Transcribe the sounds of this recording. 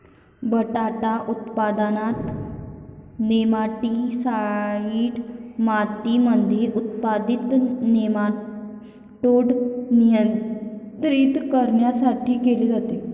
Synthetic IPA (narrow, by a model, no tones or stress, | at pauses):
bəʈaʈaʔut̪pad̪anat̪ | nemaʈisaiːʈmat̪iməd̪ʱjeʔut̪pad̪it̪nema | ʈoɽnijənt̪ɾit̪kəɾɳjasaʈʰiːkeled͡zat̪e